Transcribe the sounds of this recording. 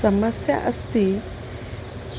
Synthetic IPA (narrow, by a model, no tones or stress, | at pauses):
əməsja̰ʔəst̪i